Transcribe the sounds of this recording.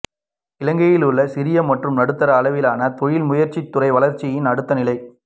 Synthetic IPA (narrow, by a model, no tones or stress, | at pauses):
ɪlɐŋɡɐjɪlɯɭːɐsɪɾɪjɐmɐʈrɯmnɐɽɯt̪ːɐɾɐːlɐʋɪlaːnɐt̪ɔɻɪlmʊjɐɾt͡ʃːɪt̪ːʊrɐɪʋɐɭɐɾt͡ʃːɪjɪnɐɽɯt̪ːɐnɪlɐɪ